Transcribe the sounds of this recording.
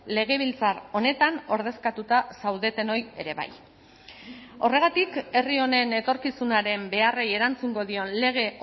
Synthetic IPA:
le̞ɣ̞e̞β̞ilt͡saro̞ne̞t̪ano̞ɾð̞e̞skat̪ut̪asawðe̞t̪e̞no̞je̞̰ɾe̞βa̰j | o̞re̞ɣ̞at̪ike̞rio̞ne̞ne̞t̪o̞ɾkisunaɾe̞mbe̞areje̞ɾant͡suŋɡo̞ðio̞nle̞ɣ̞e̞

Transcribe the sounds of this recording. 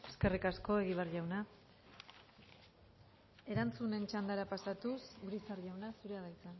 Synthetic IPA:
e̞ske̞rikasko̞e̞ɣiβarʝawna | e̞ɾant͡sune̞nt͡ʃand̪aɾapasat̪usuɾisarʝawnasuɾe̞aðajt͡san

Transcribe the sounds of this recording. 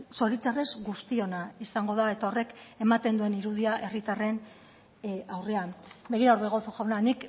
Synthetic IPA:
so̞ɾit͡sare̞zɡust̪io̞naisaŋɡo̞ðae̞t̪ao̞re̞ke̞mat̪e̞nd̪ue̞niɾuð̞iaʔe̞rit̪are̞n | awre̞anbe̞ɣ̞iɾaoɾβeɣ̞osoʝawnanik

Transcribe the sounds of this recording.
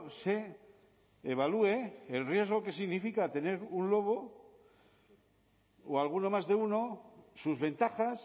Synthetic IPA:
seː | β̞alue̞ːlrje̞zɣ̞o̞ke̞siɣnifikat̪e̞ne̞ɾunlo̞β̞o | oalɣ̞uno̞mazðe̞uno̞suzβẽ̞nt̪axas

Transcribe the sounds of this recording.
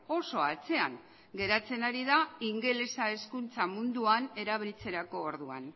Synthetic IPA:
o̞so̞at͡se̞aŋ | ɡe̞ɾat͡se̞naɾiðaiŋɡe̞le̞sae̞skunt͡samund̪uane̞ɾaβelt͡se̞ɾako̞ːɾðua̰n

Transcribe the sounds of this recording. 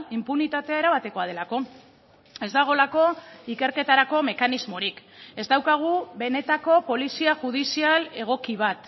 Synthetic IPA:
impunit̪at̪eae̞ɾaβ̞at̪e̞ko̞aðe̞lako̞ | e̞zd̪aɣ̞o̞lako̞ike̞ɾke̞t̪aɾako̞me̞kanizmo̞ɾike̞zd̪awkaɣ̞uβe̞ne̞t̪ako̞po̞lisiaʝuð̞isiale̞ɣ̞o̞kiβ̞at̪

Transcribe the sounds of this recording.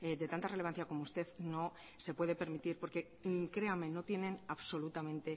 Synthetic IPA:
ed̪e̞t̪ant̪areleanθjako̞moust̪e̞ðno̞ | se̞pwe̞ð̞e̞pe̞ɾmit̪iɾpo̞ɾke̞ | kɾe̞ame̞no̞t̪je̞nẽ̞naβso̞lut̪amẽ̞nt̪e̞

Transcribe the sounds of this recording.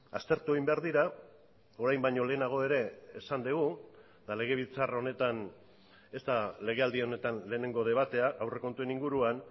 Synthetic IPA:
ast̪e̞ɾt̪uejmbe̞aɾðiɾa | o̞ɾajmbajɲo̞le̞ːnaɣ̞o̞e̞ɾe̞ːsand̪eɣu | d̪ale̞ɣ̞e̞β̞it͡saro̞ne̞t̪an | e̞st̪ale̞ɣ̞e̞ald̪ieo̞ne̞t̪anle̞ːne̞ŋɡo̞ð̞e̞β̞at̪e̞aawre̞kont̪ue̞niŋɡuɾuan

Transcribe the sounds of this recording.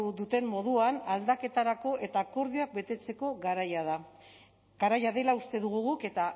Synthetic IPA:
uðut̪e̞mːo̞ðuanald̪ake̞t̪aɾako̞ʔe̞t̪ako̞ɾðioak̚be̞t̪e̞t͡se̞ko̞ɣaɾajaða | ɡaɾajaðe̞laust̪e̞ðuɣuɣuke̞t̪a

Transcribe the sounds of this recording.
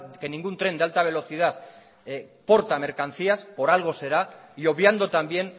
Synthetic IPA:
ke̞nĩŋɡunt̪ɾe̞nd̪ealt̪aβ̞e̞lo̞θið̞að | po̞ɾt̪ame̞ɾkan̟θiaspo̞ɾalɣ̞o̞se̞ɾaio̞βjand̪o̞t̪ambje̞n

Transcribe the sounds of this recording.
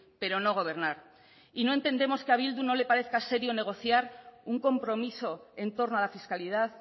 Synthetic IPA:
pe̞ɾo̞no̞ɣ̞o̞β̞e̞ɾnaɾ | ino̞ent̪e̞nd̪e̞mo̞skeaβild̪uno̞le̞paɾe̞θkase̞ɾjo̞ne̞ɣ̞o̞θjaɾuŋko̞mpɾo̞miso̞e̞nt̪o̞ɾnoalafiskaliðað

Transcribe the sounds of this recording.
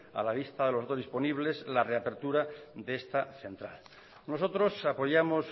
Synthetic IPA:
a̰laβ̞ist̪aðe̞loozðispo̞niβle̞zlare̞ape̞ɾt̪uɾad̪eest̪aθe̞nt̪ɾa̰l | no̞so̞t̪ɾo̞sapo̞ʝamo̞s

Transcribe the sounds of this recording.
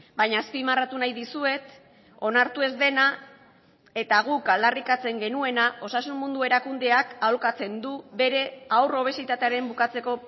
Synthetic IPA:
bajɲaːspimarat̪unajðisue̞t̪ | o̞naɾt̪ue̞zd̪e̞na | e̞t̪aɣukald̪arikat͡se̞ŋɡe̞nue̞naʔo̞sasunmːund̪ue̞ɾakund̪e̞akawlkat͡se̞nd̪uβe̞ɾe̞awro̞β̞e̞sit̪at̪e̞aɾe̞mbukat͡se̞ko̞

